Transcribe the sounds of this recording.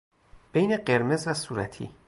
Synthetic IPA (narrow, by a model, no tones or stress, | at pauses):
b̥ejneɢe̞ɾme̞zvæsuːɾæ̰t̪ʰḭː